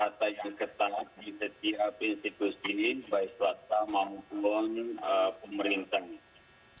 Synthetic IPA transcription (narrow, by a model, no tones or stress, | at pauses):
kat̪ajaŋkət̪adisət̪iapesik̪usibaiswat̪amamupuanəpəməɾint̪ahni